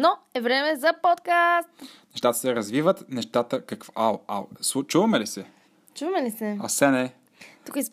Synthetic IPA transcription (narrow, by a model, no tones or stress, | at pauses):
noɛvɾɛmɛzɐpot̪kast̪nɛʃt̪at̪ə̥sɛɾɐzvivət̪nɛʃt̪at̪əkɐkvaa̰sut͡ʃuvɐmɛlisɛ | t͡ʃuvɐmɛlisɛɐsɛnɛ | t̪ukis